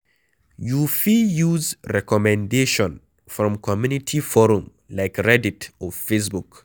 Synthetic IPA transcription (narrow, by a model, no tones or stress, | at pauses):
jufijuzɹɛkɔmɛ̃ndeʃɔ̃n | fɹɔ̃mkʰɔmjunitʰifɔɹũm | laɪkɹɛditɔfes̬buk